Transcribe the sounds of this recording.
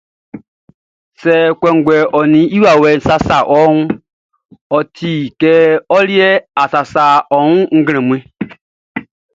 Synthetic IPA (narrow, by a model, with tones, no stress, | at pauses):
sɛ˨kʷɛ˨ŋ˨ɡʷɛ˨ɔ˨nĩ˨i˦wa˨wɛ˨n̩˨˦sa˦sa˨ʔɔ˦ũ˦ | ɔ˨tʰi˨kɛ˦ɔ˦li˦ɛ˦a˨sa˨sa˨ɔ˨wũ˦ŋ̩˦ɡɾ̃ɛ̃˨mũ˨˦e˦